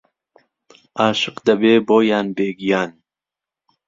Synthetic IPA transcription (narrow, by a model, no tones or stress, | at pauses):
aːʃɨqd̪ɐbeːboːjaːnbeːɡijaːn